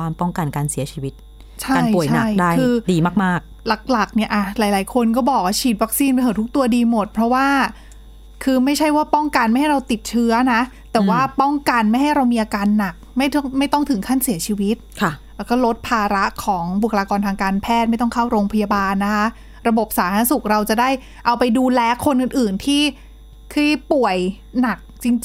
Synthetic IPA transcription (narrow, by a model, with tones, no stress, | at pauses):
waː˧mpɔ˥˩ŋka˧nkaː˧nsi˨˩˦ɐt͡ɕʰiː˧wi˦˥t̪̚ | t͡ɕʰa˧aː˧˥˩jpu˨˩t͡ɕjʰana˦˥jdaː˥˩kjʰɯː˧diː˧maː˥˩k̚maː˥˩k̚ | la˨˩k̚la˨˩k̚ni˥˩ɐʔa˨˩laː˨˦jlaː˩˦jkʰo˧nkɔː˥˩bɔː˨˩k̚waː˥˩t͡ɕʰiː˨˩t̪̚wa˦˥k̚siː˧npa˧jhʰt̪ʰu˦˥k̚t̪u˧ɐdiː˧mo˨˩t̪̚pʰɾɔ˦˥waː˥˩ | kʰɯː˧ma˥˩jt͡ɕʰa˥˩jwaː˥˩pɔ˥˩ŋka˧nma˥˩jha˥˩ɾa˧wt̪i˨˩t̪̚t͡ɕʰɯ˦˥ɐna˦˥ʔt̪ɛː˨˩waː˥˩pɔ˥˩ŋka˧nma˥˩jɦa˥˩jɾa˧wmiː˧ʔa˧kaː˧nːa˨˩k̚ma˥˩jt̪ʰma˥˩jt̪ɔ˥˩ŋt̪ʰɯ˩˦ŋkʰa˥˩nsi˩˦t͡ɕʰiː˧wi˦˥t̪̚kʰlɛː˧˩kɔː˥˩lo˦˥t̪̚pʰaː˧ɾa˦˥ʔkʰɔː˩˦ŋbu˨˩kʰa˧laː˧kɔː˧nt̪ʰaː˧ŋkaː˧npʰɛː˥˩t̪̚ma˥˩jt̪ɔ˥˩kʰaː˥˩wɾoː˧ŋpʰa˧ja˧baː˧nːa˦˥kʰa˦˥ʔ | ɾa˧bo˨˩p̚saː˩˦t̪ʰa˧˦˥su˨˩k̚ɾa˧wt͡ɕa˨˩da˥˩j | ʔa˧wpa˧jduː˧lɛː˧kʰo˧nʔɯ˨˩nʔɯː˨˩nt̪ʰiː˥˩ | k̪ʰiː˥˩pu˨˩əj | na˨˩k̚t͡ɕi˧ŋt͡ɕ